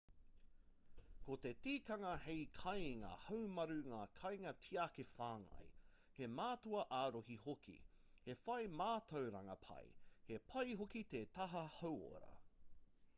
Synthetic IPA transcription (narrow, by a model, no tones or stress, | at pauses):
kot̪e̞tiːkɐŋɐhejkʰɐjŋa̰ːhɐwmɐɾʉŋaːkʰɐjŋɐtʰiakefaːŋɐ̰j | he̞maːtuɐʔaːɾohihokʰḭ | he̞fɐjmaːt̪ʰowɾɐŋɐ̰pʰɐ̰j̰hepʰɐjɦokit̪et̪ɐɦɐhɐwo̰ɾɐ̰